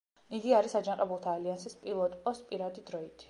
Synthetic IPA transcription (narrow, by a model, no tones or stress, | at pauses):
iɡiaɾisad͡ʒaŋqʼɛbulˠt̪ʰaːliansispʼilˠɔt̪ʼpʼɔspʼiɾad̪id̪ɾɔit̪ʰ